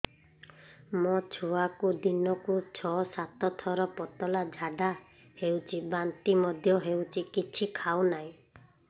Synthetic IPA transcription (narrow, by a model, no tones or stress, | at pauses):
mɔt͡ʃʰuakud̪inɔkut͡ʃʰɔsat̪ɔt̪ʰɔɾɔpɔt̪ɔlad͡ʒʱaɖa | hewt͡ʃʰibant̪imɔd̪ʱjɔɦewt͡ʃʰikit͡ʃʰikʰawnaĩ